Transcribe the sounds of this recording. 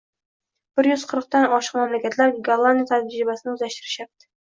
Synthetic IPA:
b̥ɪɾjyz̥qʰəɾqt̪anɒʃɨ̥qmæmlækʲæt̪læɾɡaɾlˠand̪ʲijat̪ʰæd͡ʒɾɪbæsɪnɪuzæʃt̪ɪɾɪʃap̚t̪ʰɪ̥

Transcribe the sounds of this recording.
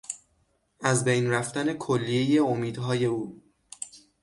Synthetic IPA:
ʔæzbejnɾæft̪æne̞kʰolːije̞je̞omiːd̪ɦɒːje̞uː

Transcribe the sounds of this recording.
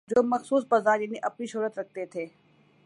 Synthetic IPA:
d͡ʒoːmɐxsuːsbɐzaːɾjɐniʔɐpniʃuːɾət̪ɾɐk̚ʰt̪et̪ʰeː

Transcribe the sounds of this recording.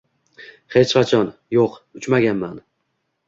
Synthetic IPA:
he̞t͡ʃqʰɑt͡ʃʰɒnjoqʊt͡ʃmaɡʲanman

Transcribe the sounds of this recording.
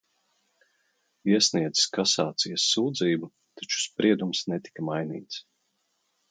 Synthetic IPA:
iɛsniɛd̪z̥i̥skasaːt̪sijɐsːuːd̪ziːbu | t̪at͡ʃu̥spɾiɛd̪umsnɛt̪i̥kamajnḭːt̪s

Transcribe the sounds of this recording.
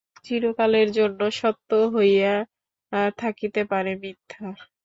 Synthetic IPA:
t͡ɕiɾokaleɾd͡ʑonːoʃɔt̪ːoɦoja | t̪ʰakit̪epaɾemit̪ʰːa

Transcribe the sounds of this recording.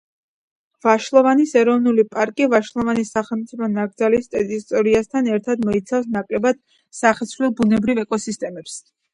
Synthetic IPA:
vaʃlˠɔvanisɛɾɔvnulipʼaɾkʼivaʃlˠɔvanisaχɛlˠmt̪sʼipʰɔnaɡd̪zalist̪ʼɛt̪ʼist̪ʼɔɾiast̪ʰanɛɾt̪ʰad̪mɔit̪sʰafs̬nakʼlɛbad̪̥̚ | saχɛsvlɛlˠbunɛbɾivɛkʼɔsist̪ʼɛmɛps

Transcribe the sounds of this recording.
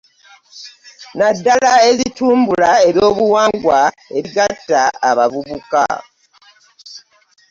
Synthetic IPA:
nadːalaezituːmbulae̞ɾjo̞ːβuwaːŋɡwa | e̞ɾiɡatːaːβavuβuka̰

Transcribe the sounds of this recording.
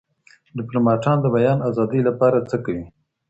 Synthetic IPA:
ɖɪplomɑʈɑnd̪əbajɑnazɑd̪əjlapɑɾat͡səkawi

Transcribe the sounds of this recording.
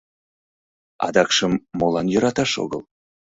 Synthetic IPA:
ɑ̰d̪ɑkʃəmːolˠɑnjoɾɑt̪ɑʃo̰ɣə̰lˠ

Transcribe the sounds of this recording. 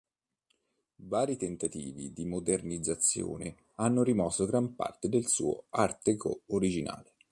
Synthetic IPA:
vaːɾit̪ent̪at̪ḭːvḭd̪imod̪ernid̪zːat̪sːjo̰ːne | anːoɾimɔsːoɡɾampa̰rt̪ed̪elsṵːo̰art̪eko̰oɾid͡ʒina̰ːle

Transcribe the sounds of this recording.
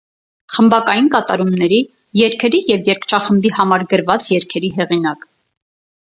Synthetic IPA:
χəmbɑkɑjinkɑt̪ɑɾumnɛɾi | jɛɾkʰɛɾijɛvjɛɾkʰt͡ʃʰɑχəmbihɑmɑɾɡəɾvɑt͡sjɛɾkʰɛɾiɦɛʁinɑk

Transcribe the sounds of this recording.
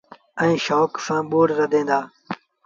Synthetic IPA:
ə̃ĩːʃoːksãːɓoːɽɾɐd̪ẽːnd̪aː

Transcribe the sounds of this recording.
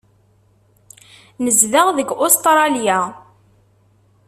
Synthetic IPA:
nəzðaʁðəɡʊst̪ɾˤɑlja

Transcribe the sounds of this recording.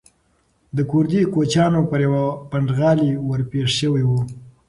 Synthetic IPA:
d̪əkʊɾd̪ikot͡ʃɑnopəɾjawapaɳɖɣɑliwəɾpeʂʃəwiwu

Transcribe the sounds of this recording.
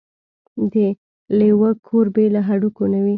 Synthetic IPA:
d̪ə | lewəkʰoɾbelaɦaɽukonawi

